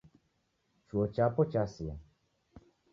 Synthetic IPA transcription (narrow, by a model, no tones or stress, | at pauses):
t͡ʃuot͡ʃapɔt͡ʃasia